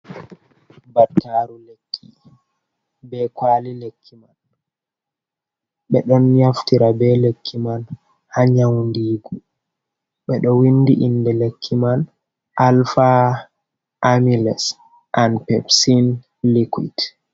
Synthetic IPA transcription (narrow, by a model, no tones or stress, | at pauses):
batːaːɾulekʰːi | bɛkwalilekʰːiman | ɓɛɗɔnɲaftiɾabɛlekʰːiman | haɲawndiːɡu | ɓɛɗɔwinːdiʔindɛlekʰːiman | ʔalfa | ʔːmilɛs | ʔanpɛpsin | likwḭt